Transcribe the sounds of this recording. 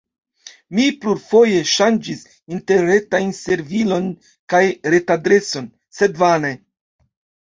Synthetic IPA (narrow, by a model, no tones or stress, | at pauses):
mipluɾfo̞je̞ʃand͡ʒis | inte̞ɾɾe̞tajnse̞ɾvilo̞n | kajɾe̞tadɾe̞so̞n | se̞dvane